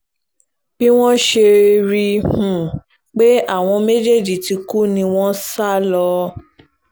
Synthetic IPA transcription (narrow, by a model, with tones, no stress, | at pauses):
b̥i˦w̃ɔ̃˦ʃe˧ɾi˧hũ˨ | k͡pe˦a˦˨w̃ɔ̃˧me˦d͡ʒe˦˨d͡ʒi˨ti˧ku˦nĩ˧w̃ɔ̃˦sa˦˨lɔ˧